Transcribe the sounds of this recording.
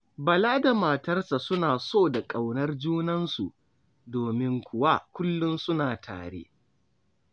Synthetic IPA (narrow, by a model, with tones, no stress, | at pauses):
bɐ˨laː˦da˨maː˨tɐ˦rsa˨sʊ˦naː˨soː˦˨da˨kʼa˨wnɐ˦rd͡ʒuː˦nɐ˦nsu˨ | doː˨mɪ˦ŋkʷʊ˦wa˦kʷʊ˦lːʊ˦nsʊ˦naː˨tʰa̰ː˨ɽḛ˦